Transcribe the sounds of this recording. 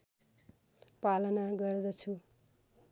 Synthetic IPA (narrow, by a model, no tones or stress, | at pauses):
palʌnaɡʌrd̪ʌt͡sʰu